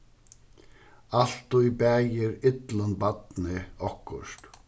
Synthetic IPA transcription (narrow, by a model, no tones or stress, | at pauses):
al̥t̪ʊibæːjɪɾɪt̪lənbat̪nɪɔhkʊʂt̪